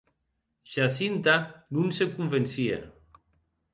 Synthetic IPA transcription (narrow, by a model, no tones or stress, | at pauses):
ʃasint̪anunsekuɱvensiḛ